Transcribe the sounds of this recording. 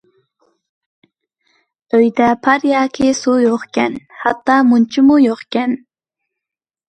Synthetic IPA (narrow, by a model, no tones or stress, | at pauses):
øjd̪æpʰaɾjaːkʰɪsujoχkʲɛnhɑt̪ːɑːmʊnt͡ʃɪmʊjoχkʲɛn